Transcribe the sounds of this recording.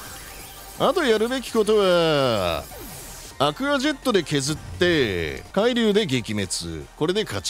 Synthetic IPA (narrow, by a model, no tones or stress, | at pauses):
at̪o̞jaɾɯ̟be̞kʲi̥ko̞t̪o̞β̞a | akɯ̟ɡaʑe̞t̪ːo̞d̪e̞ke̞zɨt̪ːe̞kaiɾʲɨːd̪e̞ɡe̞kʲime̞t͡sɨ̰ko̞ɾe̞d̪e̞kʰat͡ɕ